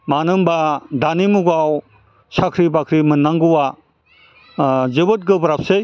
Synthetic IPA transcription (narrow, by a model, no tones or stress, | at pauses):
manɯmbadanimuɡaw | sakʰɾibakʰɾimɯnːaŋɡɯwa | zɯbɯt̚ɡɯbɐɾap̚sej